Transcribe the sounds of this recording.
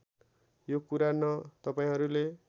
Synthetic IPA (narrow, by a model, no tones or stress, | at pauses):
jokuɾanʌt̪ʌpaĩɦʌɾule